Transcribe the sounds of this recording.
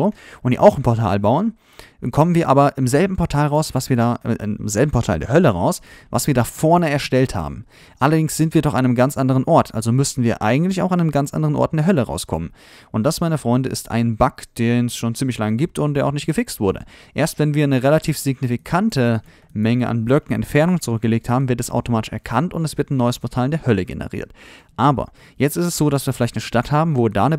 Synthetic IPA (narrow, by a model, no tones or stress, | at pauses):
ʔʊnd̥ḭːʔaʊxɪmpʰɔɐtʰa̰ːlbaʊən | kʰɔmənviːɐʔa̰ːbɐʔɪmzɛlbm̩pʰɔɐtʰaːlʁaʊsvasviːɐdaːɪ̰ɪmzɛlbm̩pʰɔɐtʰa̰ːldḛːɐɦœləʁa̰ʊsva̰sviːɐdaːfɔɐnəɛɐʃtɛltha̰ːbm̩ | ʔalɐdɪŋsz̥ɪntviɐdɔχannəmɡant͡sʔandəʁ̞ənʔɔɐtʔa̰lzomʏstn̩viːɐʔa̰ɪɡŋ̩tlɪçaʊxannəmɡant͡sʔa̰ndəʁənɔ̰ɐt̚ndeɐɦœləʁa̰ʊskʰɔ̰mən | ʔʊnt̚d̥asmaɪnəfʁ̥ɔʏndəʔɪ̰stʰʔa̰ɪnbakd̥eːnɛsʃoːnt͡siːmlɪçlaŋəɡiːp̚tʊntd̥eːɐʔaʊxnɪçtɡ̥əfɪkstv̥ʊɐdə̰ʔeːɐstv̥ɛnviːɐnəʁelatʰiːfz̥ɪɡnifikʰantə | mɛŋəʔa̰nblœkŋ̩ɛ̰ntfɛɐnʊŋnt͡suʁʏk̚ɡ̥əleːk̚thaːbm̩vɪɐtɛsa̰ʊtomaːtɪ̥ʃɛɐkʰantʊntɛsv̥ɪɐtanːɔʏəspʰɔɐtʰaːlɪndeːɐhœləɡḛnə̰ʁḭːɐt | ʔaːbɐ̰ | jɛt͡stɪstɛsz̥oːɾasv̥iːɐfɪlaɪçtnəʃtathaːbm̩voːda̰ːnə